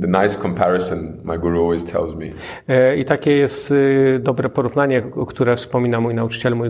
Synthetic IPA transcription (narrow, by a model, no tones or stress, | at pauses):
ðənaɪskʰɔ̃mpʰæɹəsə̃nmaɪɡuɹuɔlˠwiz̥tʰɛ̰lˠzmḭ | it̪akʲɛjɛst̪d̪ɔbɾɛpɔɾuvnaɲɛɔkt̪uɾɛfspɔmʲinamujnaut͡ʂɨ̥t͡ɕɛlmuj